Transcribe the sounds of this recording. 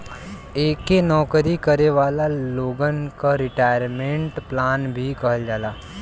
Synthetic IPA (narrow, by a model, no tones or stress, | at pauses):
eːkenɔːkɾikəɾeʋaːlaloːɡənkaɾɪʈaːjəɾmẽɳʈplaːnbʱikɐɦəld͡ʒaːlaː